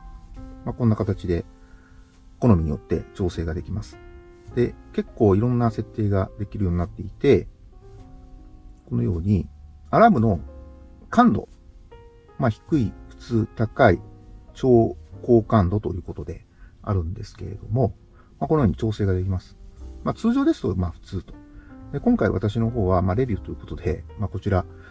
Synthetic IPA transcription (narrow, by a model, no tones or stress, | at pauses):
mako̞nːakat̪at͡ɕid̪e̞ | ko̞no̞mʲiɲ̟ijo̞t̪ːe̞̰t͡ɕo̞ːse̞ːɡad̪e̞kʲimasɨ̥ | d̪̥e̞ke̞kːo̞ːiɾõ̞nːase̞t̪ːe̞ːɡad̪e̞kʲiɾɯ̟jo̞ːɲ̟inat̪ːe̞it̪e̞ | ko̞no̞jo̞̰ːɲ̟iaɾabɯ̟no̞ | kãnd̪o̞̰ | maçi̥kɯ̟iɸɯ̟̥t͡sɨːt̪akait͡ɕo̞ːko̞ːkãnd̪o̞t̪o̞jɯ̟ːko̞t̪o̞d̪e̞̰ | a̰ɾɯ̟̃nd̪e̞sɨ̥ke̞̰ɾe̞d̪o̞̰mo̞ | makonojoːɲ̟it͡ɕo̞ːse̞ːɡad̪e̞k̬ʲimasɨ̥mat͡sɨːʑo̞ːd̪e̞sɨ̥t̪o̞maɸɯ̟̥t͡sɨːt̪o̞̥d̪e̞kõ̞ŋkaḭβa̰t̪aɕino̞ɦo̞ːβamaɾe̞bʲiɯ̟ːt̪o̞ji̟ːko̞t̪o̞d̪e̞̰maːko̞t͡ɕiɾa